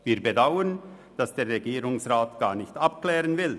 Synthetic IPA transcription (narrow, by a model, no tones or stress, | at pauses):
viːɐbedaʊən | d̥asd̥eːɾʁeɡiːʁʊŋsʁaːtɡ̥aːnɪçtapklɛːʁənvɪl